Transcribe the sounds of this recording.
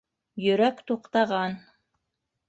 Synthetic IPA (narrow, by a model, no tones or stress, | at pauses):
jɵ̆ɾækt̪uqt̪ɑʁɑn